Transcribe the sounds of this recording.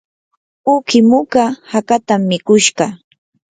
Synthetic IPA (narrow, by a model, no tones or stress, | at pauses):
ʊkɪmʊkahakat̪amːɪkʊʃɢɑ